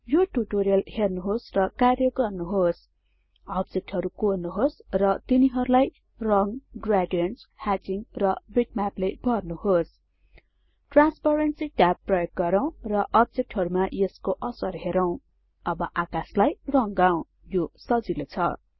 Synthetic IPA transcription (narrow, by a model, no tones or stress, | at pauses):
joʈuʈoɾijʌlhernuɦosrʌkarjʌɡʌrnuɦos | ʌbd͡zek̚ʈɦʌɾukonuɦosrʌt̪iniɦʌɾulaj | rʌŋɡraɖujʌnshad͡ziŋrʌbiʈmaplebʱʌrnuhos | ʈranspaɾensiʈapːrʌjok̚ɡʌɾʌw̃rʌʔʌb̚d͡zek̚ʈɦʌɾumajeskoʔʌsʌrɦeɾʌw̃ | ʌbʌʔakaslajrʌŋɡaw̃ | josʌd͡zilot͡sʰʌ̰